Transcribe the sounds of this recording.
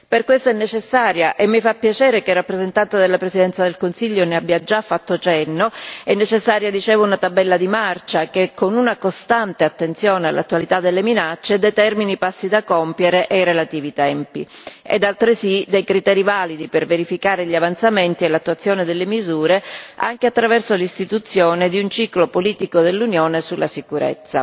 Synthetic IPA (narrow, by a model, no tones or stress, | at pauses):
perkwest̪ɛnːet͡ʃesːaːɾjaʔemːifapːjat͡ʃɛːɾekerapːɾezent̪ant̪ed̪elːapɾezid̪ɛnt̪sad̪elkonsiʎːoneabːjad͡ʒafːat̪ːot͡ʃɛnːoɛnːet͡ʃesːaːɾjad̪it͡ʃɛːvounat̪abːɛlːad̪imart͡ʃakekːonunakost̪ant̪eat̪ːent̪sjoːnea̰lʔa̰t̪ːwalit̪ad̪elːeminat͡ʃːed̪et̪ɛrminipasːid̪akɔmpjeɾeʔejrelat̪iːvit̪ɛmpḭḛd̪alt̪ɾesid̪ejkɾit̪ɛːɾivaːlid̪iperveɾifikaːɾeʎiavant̪sament̪ielːat̪ːuat̪sːjoːned̪elːemizuːɾea̰ŋkeat̪ːɾavɛrsolist̪it̪ut̪sːjoːned̪iunt͡ʃiːklopoliːt̪ikod̪elːunjoːnesulːasikuɾɛ̰t̪sːa̰